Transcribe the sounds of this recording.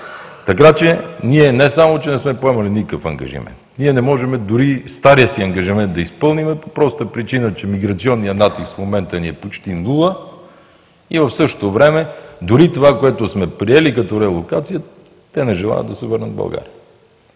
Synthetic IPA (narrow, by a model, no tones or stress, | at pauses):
t̪ɐk̬at͡ʃɛniɛnɛsamot͡ʃɛnɛsmɛpoɛmɐlinikəfɐ̰ŋɡɐ̰ʒḭmɛ̰nt̪niɛnɛmɔʒɛmɛd̪ʊɾist̪aɾiəsiɐŋɡɐʒimɛnt̪d̪ɐispɤlˠnimɛpopɾɔst̪əpɾit͡ʃinət͡ʃɛmiɡɾɐt̪siɔnːijənat̪ist̪fmomɛnt̪əniɛpot͡ʃt̪inulˠə | ivɐfsɤʃt̪o̥t̪ovɾɛmɛd̪ʊɾit̪ovakoɛt̪osmɛpɾiɛlikɐt̪ɔɾɛlˠokat̪sijə | t̪ɛnɛʒɛlˠa̰j̰ə̰d̪d̪ɐsɛvəɾnətd̪bɐ̰lˠɡa̰ɾiə